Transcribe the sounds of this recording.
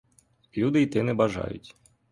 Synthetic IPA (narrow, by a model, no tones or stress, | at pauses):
lʲud̪ɨit̪ɪnɨbaʐa̰jṵt͡sʲ